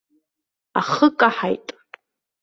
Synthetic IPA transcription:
a̰χəkʼaħajtʼ

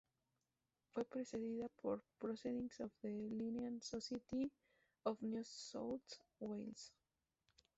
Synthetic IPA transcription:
fwepɾeseðiðapʰoɾpɾoseðĩŋsovðelineãnsoset̪i | ofnjusotwejls

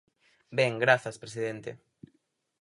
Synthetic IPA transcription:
bɛŋɡɾaθɐspɾes̬iðent̪ḛ

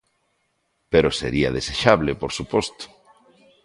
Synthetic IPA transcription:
peɾosḛɾiɐðeseʃaβlepoɾsupɔst̪o̥

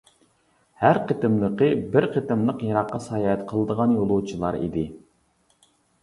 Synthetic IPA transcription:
hæɾqʰət̪ɪmlˠəqəbɪɾqʰət̪ɪmlˠəqjɑɾɑqːɑsɑjɑɛt̪qʰəlˠəd̪əʁɑnjolˠuwt͡ʃʰilˠɑ̰ɾḭd̪ɪ

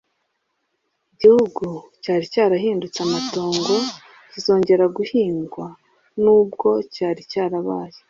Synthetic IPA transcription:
iɟihuɡucaːɾicaːɾaɦiːndut͡samatoːŋɡo̞ | cizo̞ːɲɟe̞ɾaɡuhiːŋɡwa | nuːbɡo̞caːɾicaːɾaβa̰ːje

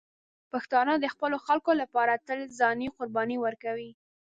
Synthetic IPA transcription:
paxt̪ɑnəd̪əxpəloxalkolapɑɾat̪əlzɑniqʊɾbɑniwəɾkawi

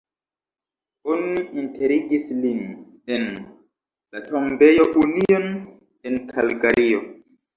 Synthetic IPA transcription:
oniʔinte̞ɾiɡislin | en | latombe̞joʔunion | enkʰalɡaɾʔio

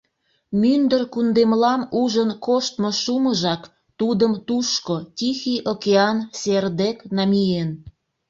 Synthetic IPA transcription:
mynd̪ərkund̪emlɑmuʒənkoʃt̪moʃuməʒɑk | t̪ud̪əmt̪uʃkotʲixiʔokeɑnserd̪eknɑmʲien

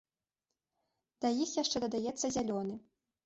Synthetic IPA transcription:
d̪̥ɐjixjaʂt͡ʂɛd̪ɐd̪ajɛt̪sːɐzʲalʲɔnɨ

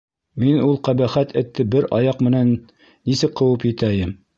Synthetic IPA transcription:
minulˠqæbæχæt̪ʰɘ̆t̪ːɘbɘɾɑjɑqmɘ̆nænː | isɘk̚qɤ̆wɤpjɘ̆t̪æjɘm

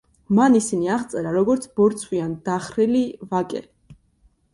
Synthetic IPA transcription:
manisiniaʁt̪sʼɛɾaɾɔɡɔɾt̪sʰbɔɾt̪sʰwiand̪aχɾilivakʼɛ̰

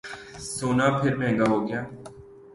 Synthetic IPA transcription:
soːnaːpʰɪɾmɛ̃ːŋɡaːɦoːɡɪjaː

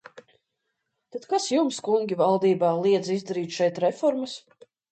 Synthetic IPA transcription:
t̪ad̪kasjumskuŋʲɡʲivalˠd̪iːbaːlˠiɛd̪zizd̪aɾiːt̪ʃɛjt̪ɾɛfɔɾmas

